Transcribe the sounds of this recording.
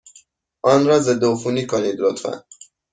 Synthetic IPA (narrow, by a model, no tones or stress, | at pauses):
ʔɒnɾɒːzed̪oːfuniːkʰoniːd̪lot̪fæ̰n